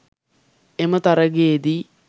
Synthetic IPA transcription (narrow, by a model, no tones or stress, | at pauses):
emɐt̪ɐɾɐɡeːd̪i